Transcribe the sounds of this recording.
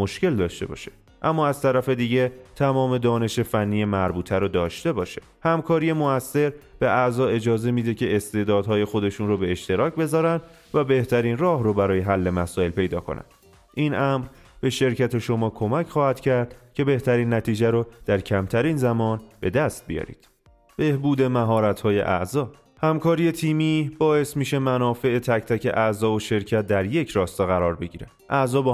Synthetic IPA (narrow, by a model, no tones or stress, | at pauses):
mo̞ʃce̞ld̪ɒːʃt̪e̞bɒ̰ːʃe̥ | ʔæmːɒːæz̥t̪ʰæɾæfe̞d̪iːɟet̪ʰæmɒːme̞d̪ɒːne̞ʃe̞fænːijemæɾbuːt̪ʰæɾod̪ɒːʃt̪e̞bɒːʃe | hæmkʰɒːɾije̞moæsːe̞ɾb̥e̞ʔæzɒːe̞d͡ʒɒːze̞miːd̪e̞cʰe̞est̪e̞ːd̪ɒːd̪ɦɒːje̞xo̞d̪e̞ʃunɾrobe̞eʃt̪e̞ɾɒːcbe̞zɒːɾænd̪ | væbe̞ht̪ʰæɾiːnrɒːɦrobæɾɒːje̞ɦælːe̞mæsɒːe̞lpe̞jd̪ɒ̰ːkʰo̞̰næ̰nd̪ | ʔiːnʔæmɾ | be̞ʃe̞ɾcʰæt̪ʰe̞ʃo̞mɒːkʰo̞mæcʰχɒːhæd̪̥cʰæɾd̪̥cʰe̞be̞ht̪ʰæɾiːnːæt̪ʰiːd͡ʒæɾod̪̥æɾcʰæmt̪ʰæɾiːnzæmɒːnb̥e̞d̪æst̪̚bijɒ̰ːɾḭːd̪̥ | b̥e̞hbuːd̪e̞mæɦɒːɾæt̪ʰhɒːje̞̰ʔæ̰ʔzɒː | hæmkʰɒːɾije̞t̪ʰiːmiːb̥ɒːe̞smiːʃe̞mænɒːfe̞et̪ʰæct̪ʰæcʰe̞̰ʔæzɒːoʃe̞ɾcʰæt̪̚ʰd̪æɾje̞cʰɾɒːst̪eɣæɾɒːɾbe̞ɟiːɾe | ʔæʔzɒːbɒ